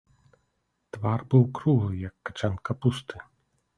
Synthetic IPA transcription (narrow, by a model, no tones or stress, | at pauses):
t̪varbɨwkɾuɦˠɨjɐkːḁt͡ʂankɐpust̪ɨ